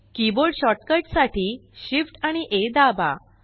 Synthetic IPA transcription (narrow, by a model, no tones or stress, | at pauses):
kiboɾɖɕɔʈkəɾʈsaʈʰiːɕifʈaɽ̃iʔed̪aba̰